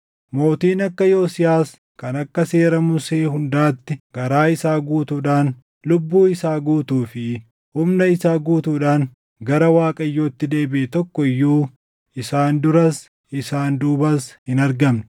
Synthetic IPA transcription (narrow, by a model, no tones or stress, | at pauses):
mo̞ːt̪iːnɐkːɐjo̞ːsɪjaːs | kɐnɐkːɐse̞ːɾɐmʊseːhʊnd̪aːt̪ːɪɡ̥ɐɾaːɪsaːɡuːt̪uːᶑaːn | lʊbːuːɪsaːɡuːt̪uːfɪ | hʊmnɐɪsaːɡuːt̪uːᶑaːŋ | ɡɐɾɐwaːkʼɐjːo̞ːt̪ːɪd̪e̞ːbɪʔɛt̪ɔkːɔɪjːuː | ɪsaːnd̪ʊɾɐs | ɪsaːnd̪uːbɐshɪnɐɾɡɐmnɪ̥